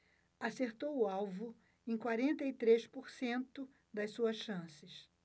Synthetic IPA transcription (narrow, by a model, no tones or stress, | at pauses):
aseɾt̪owʊawvʊ | ẽj̃kwaɾẽnt̪ɐit̪ɾeʃpoɾsẽnt̪ʊ | d̪ɐjssuɐsʃɐ̃sɪs